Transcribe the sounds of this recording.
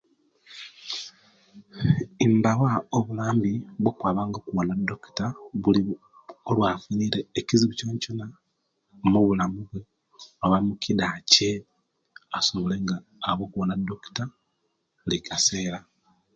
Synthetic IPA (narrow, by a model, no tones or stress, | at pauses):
imbawaoβulaːmbiβwokwaːβaːŋɡokuβonado̞ki̥taβuli | olwaːfuniːɾeːciziβuconcona | muβulamuβwe̞ | oβamukidace | asoβole̞ŋɡaː | βo̞ːkuβonado̞ki̥ta | likase̞ːɾa